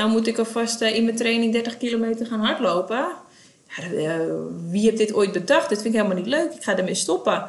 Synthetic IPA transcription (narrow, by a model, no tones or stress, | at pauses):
dawmutɪkɔfɔstinməntreːnɪŋdɛrtəχkilomeːtərχaːnɦɔrtloːpə | ja | ʋihɛb̚dɪtoːjt̚bədɔxtdɪtfɪntɪkɦeːlˠmalnitløːkɪkχadərmestɔpə